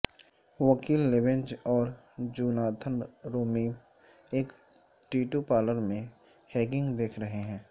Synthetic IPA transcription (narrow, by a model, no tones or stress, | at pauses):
ʋɐkiːlːɪʋɪ̃nd͡ʒɔːɾ | d͡ʒuːnaːt̪ʰənɾoːmi | eːk | ʈiːʈupaːləɾmẽ | hɛːɡɪ̃ŋɡd̪eːkʰɾɐɦeɦɛ̃ː